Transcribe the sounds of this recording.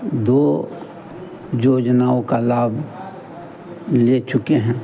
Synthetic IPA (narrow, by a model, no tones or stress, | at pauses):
d̪oː | joːd͡ʒnaːõkalaːbʱ | let͡ʃʊkeɦɛ̃ː